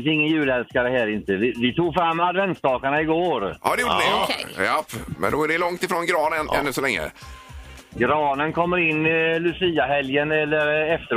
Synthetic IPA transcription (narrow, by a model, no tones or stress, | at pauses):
sɪŋːənjʉ̟ːlɛlskaɾəɦɛːɾɪnt̪əvɪvɪt̪ʰuːɡfɾamːad̪vɛnt̪sd̪ɑːkaɳaɪɡoːɾʔɑ̰ːd̪ɛjuːɖdəɪjapːmɛ̰nd̪ɔɛɖɛlɔŋt̪ɪfɾoːnɡɾɑːnənɛ̰nːʉsɔlɛŋːə̰ | ɡɾɑːnənkʰɔmːəɾɪnːlɵsiːaɦɛljənɛlːəɾɛft̪ə